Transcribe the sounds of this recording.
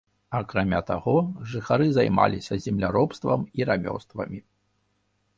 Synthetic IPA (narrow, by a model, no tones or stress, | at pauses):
ɐkɾamʲat̪aɣɔʐɨxaɾɨzajma̰lʲisʲɐzʲɛmlʲaɾɔpst̪vɐ̰miɾamʲɔ̰st̪vɐ̰mʲi